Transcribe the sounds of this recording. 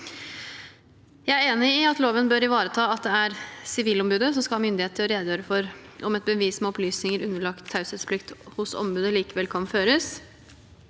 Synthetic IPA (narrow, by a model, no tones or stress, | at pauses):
jæɪæɾeːnɪɪɑt̪loːʋənbøːɾɪʋɑːɾət̪ʰɑːɑt̪̚d̪ɛæɾsɪʋiːlɔmbʉːd̪əsɔmskɑɑmʏnd̪ɪeːt̪əɾɔɾeːd̪jøːɾəfɔɾʔɔmɛt̪̚bəʋiːsmɛɔplyːsnɪŋəɾʉnːəɭɑkt̪hɑʉsɛt̪spʰlɪkt̪hʊsɔ̰mbʉːd̪əliːkəʋɛlkʰɑnføːɾəs